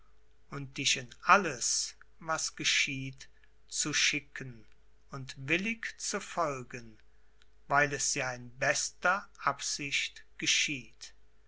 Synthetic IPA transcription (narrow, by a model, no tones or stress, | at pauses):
ʔʊnt̚d̥ɪʃɪnʔaləs | vasɡ̥əʃiːt | t͡suʃɪkʰən | ʊntvɪlɪkt͡sufɔlɡən | vaɪlɛsjaːɪnbɛstɐʔapz̥ɪʃtɡ̥əʃiːt